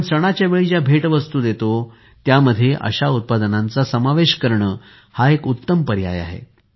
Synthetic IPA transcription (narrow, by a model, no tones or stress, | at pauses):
ɳsəɽ̃at͡ɕjaʋeɭid͡ʑjabʱeʈʋəst̪uːd̪et̪o | t̪jaməd̪ʱːjeʔə̰ɕaut̪̚pad̪ənant͡sasəmaʋeɕkəɾɳəː | haekut̪ːəmpəɾja̰ja̰ɦḛ